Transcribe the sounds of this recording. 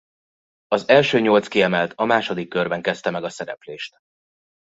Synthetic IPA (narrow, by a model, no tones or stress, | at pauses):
ɒzɛlʃøːɲo̞lt̪skiɛmɛlt̪ʰɒmaːʃo̞d̪ikːørbɛŋkɛst̪ɛmɛɡɒsɛɾɛ̰pleːʃt̪